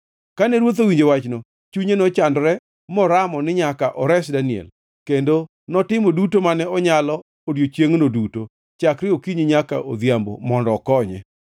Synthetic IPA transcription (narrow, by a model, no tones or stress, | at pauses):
kanɛɾwot̪̬owiɲd͡ʒewat͡ʃno | t͡ʃuɲenɔt͡ʃandɾɛ | mɔɾamɔnɪɲakaʔɔɾɛsdaniɛ̰l | kendo | nɔtɪmodutomanɛɔɲalɔ | odjot͡ʃjeŋnoduto | t͡ʃakɾɪokiɲiɲaka̰ʔoðjambo̰mɔndɔkɔɲɛ̰